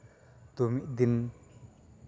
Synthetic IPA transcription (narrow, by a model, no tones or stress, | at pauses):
t̪omiʔd̪ɪn